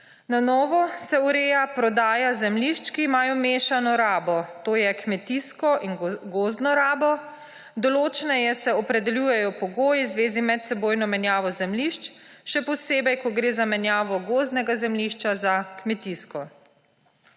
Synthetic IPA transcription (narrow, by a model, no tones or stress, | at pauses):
nanɔːʋɔsɛuɾeːjapɾɔd̪aːjazɛmliʃt͡ʃkiːmaːjɔmeːʃanɔɾaːbɔt̪oːjɛkmɛt̪iskɔʔinɡoːzd̪nɔɾaːbɔ | d̪ɔloːt͡ʃɛnɛjɛsɛɔpɾɛd̪ɛljuːjɛjɔpɔɡoːjizʋeːzimɛt̪sɛboːjnɔmɛnjaːʋɔzɛmliʃt͡ʃʃɛpɔseːbɛjkɔɡɾeːzamɛnjaːʋɔɡoːzd̪nɛɡazɛmliʃt͡ʃazakmɛt̪iskɔ